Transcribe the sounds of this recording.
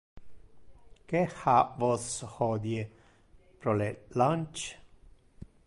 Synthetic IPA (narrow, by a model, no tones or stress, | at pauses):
kehavɔshɔd̪je | pɾolelant͡ʃ